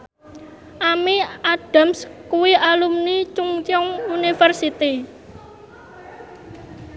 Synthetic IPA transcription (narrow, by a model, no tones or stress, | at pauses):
ʔamiaɖ̥a̤mskuwiʔalumnit͡ʃuŋt͡ʃɔŋunifərsit̪i